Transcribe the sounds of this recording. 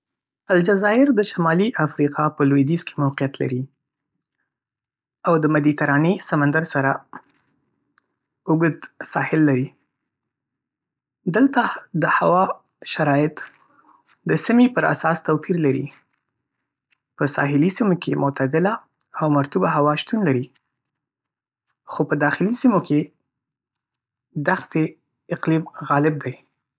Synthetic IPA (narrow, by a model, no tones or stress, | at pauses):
ald͡ʒazɑɪɾd̪əʃamɑliʔafɾiqʰɑpəlwid̪izke̥mawqijat̪la̰ɾi | awd̪əmad̪it̪aɾɑnesamand̪aɾsaɾa | ʊɡd̪sɑhɪlːaɾi | d̪əlt̪ad̪əhawɑ | ʃaɾɑjɪt̪ | d̪əsəmipəɾa̰sɑst̪awpiɾlaɾḭ | pəsɑ̰ɦɪlisimokemʊt̪ad̪ɪlaː | wmaɾt̪ubaɦawɑʃt̪unlaɾi | xopəd̪ɑxɪlisimokʰe | d̪axt̪e | ɪqlimɣɑlɪb̚d̪aj